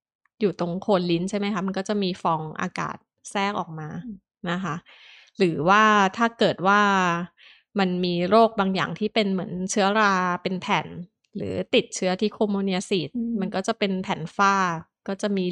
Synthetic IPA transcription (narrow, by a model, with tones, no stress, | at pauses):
juː˨˩t̪o˧ŋkʰoː˧nli˦˥nt͡ɕʰa˥˩jma˦˥jkʰa˦˥ma˧nkɔː˥˩t͡ɕa˨˩miː˧fɔː˧ŋʔa̰ː˧ka̰ː˨˩t̪̚sɛː˥˩k̚ʔɔ̰ː˨˩k̚maː˧ | na˦˥kʰa˦˥ | ɾɯː˩˦waː˥˩t̪ʰaː˥˩kɤː˨˩t̪̚waː˥˩ | ma˧nmiː˧ɾoː˥˩k̚baː˧ŋja̰ː˨˩ŋt̪ʰiː˥˩pe˧nmɯ˩˦ənt͡ɕʰɯ˦˥ɐɾaː˧pe˧npʰɛ˨˩n | ɾɯ̰ː˩˦t̪i˨˩t̪̚t͡ɕʰɯ˦˥ɐt̪ʰiː˥˩kʰoː˧mːoː˧ni˧a˧siː˨˩t̪̚ma˧nkɔː˥˩t͡ɕa˨˩pe˧npʰɛː˩˦nfaː˥˩kɔː˥˩t͡ɕa˨˩miː˧